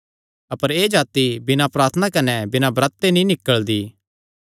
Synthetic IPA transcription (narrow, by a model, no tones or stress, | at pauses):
ɐpəɾeːd͡ʒaːt̪ibɪnãpɾaːɾt̪ʰənakɐnɛbɪnãbɾɐt̪ːenĩnɪkːəɭd̪iː